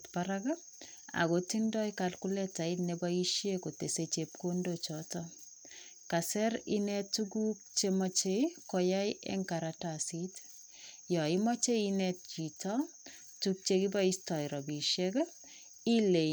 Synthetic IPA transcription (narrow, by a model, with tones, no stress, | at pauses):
tpaɾaɡa˦ | a̰˨ɡo˨ti˦ndɔ˦ikalku˦lɛ˦ta˨i˦tnebai˦ʃje˦ko˨te˨set͡ʃep̚ko˦ndot͡ʃɔtɔ | ka˨sɛ˦ɾi˦nɛ˦tuɡu˦k̚t͡ʃemɔt͡ʃe˦kɔ˨ja˦jʔḛ˦ŋka˨ɾatasi˦t | jɔ˨i˦mɔ˦t͡ʃe˦i˦nɛt̚t͡ʃi˨tɔ | tuk̚t͡ʃe˦kiba˦istɔ˨iɾɔ˨bi˨ʃek | i˦le˨